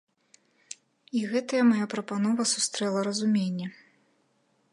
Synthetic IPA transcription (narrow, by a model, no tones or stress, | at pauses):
iɣɛt̪ɐjɐmajapɾɐpanɔvɐsust̪ɾɛlˠɐɾɐzumʲenʲːɐ